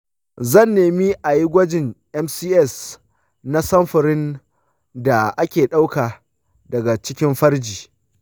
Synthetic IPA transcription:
zɐ˦˨nːeː˨mi˦ʔa˨ji˦ɡʷɐ˦d͡ʒɪ˨ŋʔɛ˦msiː˦ʔɛ˦˨s | na˦sɐ˦mɸɐ˨ɾɪ˦n | da˨ʔa˦kʲeː˨ɗa˦wkaː˨ | dɐ˨ɡa˨t͡ʃɪ˦kʲɪ˦mɸɐ˦ɾd͡ʒiː˨

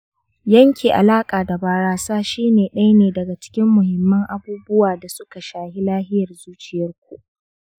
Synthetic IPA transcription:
jɐ˦ŋkʲi˨ʔa̰˨laː˦kʼaː˨da˨baː˨ɽaː˨saː˦ʃiː˦neː˨ɗɐ˦jneː˨dɐ˨ɡa˨t͡ʃɪ̥˦kʲɪ˦mːʊ˨hɪ˨mːɐ˦ŋʔa˨buː˦bʊ˦waː˨da˨sʊ˦ka˨ʃaː˨hi˦laː˦hɪ˦jɐ˨rzuː˦t͡ʃɪ˨jɐ˦rkʷu˨ʔ

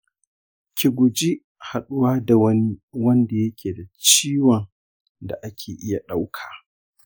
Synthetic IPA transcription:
kʲʰi˨ɡʷʊ˨d͡ʒi˦ | ha˨ɗʊ˦waː˦da˨wni˦wɐ˦nda˨jɐ˦kʲʰeː˨da˨t͡ʃiː˦wɔ˨n | da̰˨ʔa˦kʲʰeː˨ʔɪ˦ja˨ɗa˦wkʰḁː˨

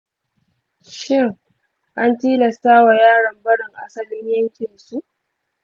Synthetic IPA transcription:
ʃɪ˦˨ŋ | ʔa˦ntiː˦lɐ˨staː˦wa˨jaː˦ɽɐ˨mbɐ˦ɽɪ˨ŋʔa˦sɐ˨lɪ˦ɲjɐ˦ŋkʲɪ˨nsu˦ʔ

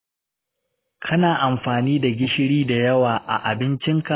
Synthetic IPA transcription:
kʰɐ˦naː˨ʔa˨mɸaː˨niː˦da˨ɡʲɪ˦ʃɪ˦ɽiː˦da˨jɐ˦waː˨ʔa̰˨ʔa̰˨bɪ˦nt͡ʃɪ˦ŋka˨

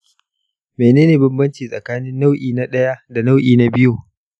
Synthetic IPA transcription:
meː˨neː˦neː˨bɪ˦mbɐ˦nt͡ʃiː˨sʼɐ˨kaː˦nɪ˦nːa˦wʔiː˨na˦ɗɐ˦ja˦da˨na˦wʔiː˨na˦bɪ˦juː˨

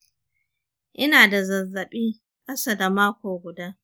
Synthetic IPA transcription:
ʔɪ˦naː˨da˨zɐ˨zːɐ˨ɓiː˦ | kʼɐ˦saː˦˨da˨maː˦kʷoː˨ɡʷʊ˨daː˦

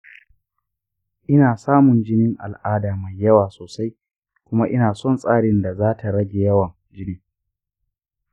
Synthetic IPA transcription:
ʔɪ˦naː˨saː˦mʊ˨nd͡ʒɪ˦nɪ˦ŋʔa̰˨lʔaː˦daː˨ma˨jːɐ˦waː˨soː˨sa˦j | kʷʊ˦ma˦ʔɪ˦naː˨sɔ˦˨nsʼaː˦ɽɪ˦nda˨zaː˦tʰa˨ɽɐ˦ɡʲe˨jɐ˦wɐ˨ŋ | d͡ʒɪ˦niː˦

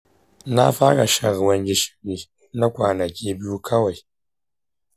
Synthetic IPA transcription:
na˦fa˦ɾa˨ʃa˨ɣwa˨nɡi˨ʃi̥˨ɾi˨ | na˦kʷaː˨na˨kʲi˦bi˦ju˦kʰa˦wa˨j

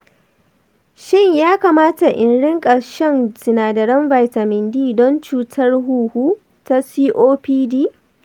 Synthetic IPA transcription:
ʃɪ˦ɲjaː˦kaː˨maː˦ta˨ʔɪ˨nɽɪ˦ŋkʼɐ˨ɾʃɛ˦nsɪ˨naː˨dɐ˨ɾɐ˦mba˨jta˨mɪ˨ndiː˦dɔ˦nt͡ʃuː˦tʰɐ˦rɦuː˦˨huː˦ | ta˦siː˦ʔoː˦piː˦diː˦˨

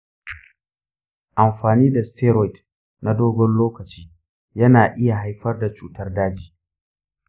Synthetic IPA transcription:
ʔa˨mɸaː˨niː˦da˨stʰɛ˦ɾɔ˨jt | na˦doː˦ɡɔ˦nloː˦kɐ˨t͡ʃiː˦ | jɐ˦naː˨ʔɪ˦ja˨ɦa˦jɸɐ˦rda˨t͡ʃuː˨tɐ˦rdaː˦d͡ʒiː˨

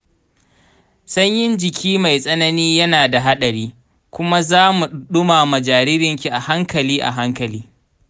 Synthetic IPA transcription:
sɐ˦ɲjɪ˦nd͡ʒɪ˨kʲʰiː˦ma˨jsʼɐ˦nɐ˦niː˦jɐ˦naː˨da˨ɦa˦ɗɐ˨ɾiː˦ | kʷʊ˦ma˦zaː˦mu˨ɗʊ˦maː˨mɐ˨d͡ʒaː˨ɾɪ˦ɾɪ˨ŋkʲi˨ʔa˨ha˦ŋkɐ˨liː˦ʔa̰˨ɦa˦ŋkɐ˨liː˦

